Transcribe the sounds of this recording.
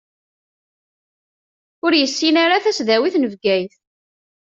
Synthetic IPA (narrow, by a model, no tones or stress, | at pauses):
ʊɾjəsːinaɾaθæsðæwiθnəvɡæjθ